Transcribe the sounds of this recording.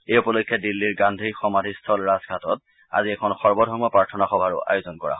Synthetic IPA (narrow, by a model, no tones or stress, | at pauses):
ejupɔlojkʰːjadilːiɹɡandʱixɔmadʱistʰɔlɹazɡʱatɔt | a̰ziɛkʰɔnxɔɹbɔdʱɔɹmɔpɹaɹtʰɔnaxɔbʱaɹo̰ʔa̰jozɔnkɔɹa̰ɦɔ